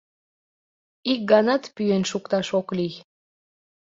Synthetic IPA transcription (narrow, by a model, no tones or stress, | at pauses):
ik̚ɡɑnɑt̪pyenʃukt̪ɑʃoklij